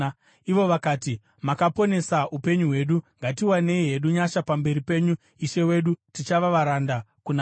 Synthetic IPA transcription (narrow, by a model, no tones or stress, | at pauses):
iʋo̞ʋakaːti | makapo̞ne̞saupe̞ɲuɦwe̞ːɗuŋɡatiwane̞iɦe̞ɗuɲaʃapambe̞ɾipe̞ɲu | iʃe̞we̞ɗutit͡ʃaʋaʋaɾandakuna